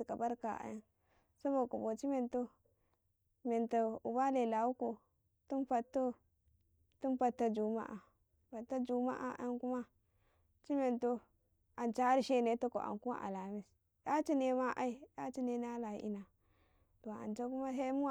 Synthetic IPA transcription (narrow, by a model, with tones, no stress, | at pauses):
i˨ka˨ba˦ɾka˨a̰˦ja˦n | sa˦bo˨ku˨bo˨t͡ʃi˦me˨nto˦ | me˨nta˨u˨ba˦le˨la˨wu˦ko˨ | tu˦npa˨tːo˦ | tu˦npa˨tːa˦d͡ʒu˨ma̰˦ʔa˨ | pa˨tːa˦d͡ʒu˨ma̰˦ʔa̰˨ʔa̰˦ku˦ma˦ | t͡ʃi˦me˨nto˦ | a˨nt͡ʃa˦ɾi˦ʃe˦ne˦to˦ko̰˨a̰˨ŋku˦ma̰˦ʔa̰˨la˨mi˦s | da˦t͡ʃi˦ne˨˦ma˦ʔa˦i˦˨da˦t͡ʃi˦ne˦na˦la˨˦ʔḭ˦na˨ | to˨a̰˨nt͡ʃa˦ku˦ma˦ɦe˦mu˦˨